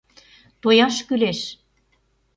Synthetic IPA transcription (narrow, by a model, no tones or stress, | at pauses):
t̪ojɑʃkyleʃ